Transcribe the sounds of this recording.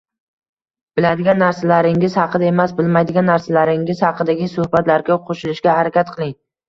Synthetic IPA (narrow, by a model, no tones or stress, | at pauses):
b̥ɪlad̪ɪɡʲanːaɾsalaɾɪŋɪzhɑqɨd̪ae̞masbɪlmajd̪ɪɡʲanːaɾsalaɾɪŋɪz̥hɑqʰɨd̪aɡʲɪsʊhbat̪laɾɡʲaqʰoʃɪlɪʃɡʲahaɾakʲat̪qʰɨlˠɪŋ